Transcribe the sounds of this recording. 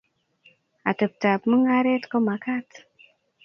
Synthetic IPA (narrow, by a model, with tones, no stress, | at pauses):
a̰˨tə˨p̚ta˨pmɨ˦ŋa˦ɾe˦tko˦ma˨ka˦t